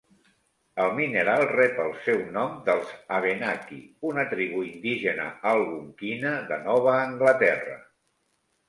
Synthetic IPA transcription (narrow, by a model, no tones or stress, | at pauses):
əlˠminəɾalˠrɛpəlˠsɛwnɔmd̪əlˠzəβenakḭunət̪ɾiβuind̪iʒənə̰alˠβuŋkinəðənɔβ̞əːŋɡlət̪ɛrə̰